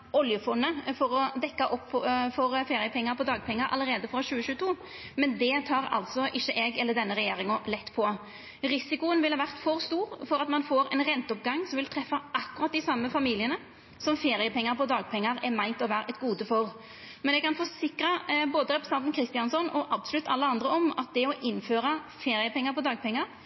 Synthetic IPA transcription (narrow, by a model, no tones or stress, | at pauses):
ɔljəfɔnːəfɔɾɔd̪ɛkːɑʔɔpːfɔɾfeːɾɪəpʰɛŋːɑɾpɔd̪ɑːɡ̚pʰɛŋːəɾʔɑ̰lːəɾeːd̪əfʁɑɕʉːəʃʉːət̪ʰuː | mɛnd̪ɛt̪ʰɑːɾɑ̰lt̪sɔʔɪçːəʔɛɡɛlːəd̪ɛnːəʁɛjeːɾɪŋʊlɛt̪ːpʰɔ | ɾɪsɪkʊənʋɪlhɑːʋæʁt̪fɔʁst̪uːʁfɔɾɑt̪mɑnfoːɾɛnʁɛnt̪əɔp̚ɡɑŋːsɔmʋɪlt̪ʰɾɛfːɑɑkːʉɾʁɑt̪̚d̪ɪsɑmːəfɑmiːlɪənə | sɔmfeːɾɪəpʰɛŋːəɾpɔd̪ɑːɡ̚pʰɛŋːɑɾɛmæɪnt̪ɔʋæːɾəʔɛt̪ɡuːd̪əfɔʁ | mɛnɛɡkɑnfɔɾsɪkɾɑboːd̪əɾɛpɾəsɑnt̪n̩kʰɾɪst̪ɪɑnsɔnɔʔɑbsʊlʉt̪ʰːɑlːəɑnd̪ɾəɔmɑ̰t̪̚d̪ɛɔʔɪnːføːɾɑfeːɾɪəpɛŋːəɾpɔd̪ɑːɡ̚pʰɛŋːɑɾ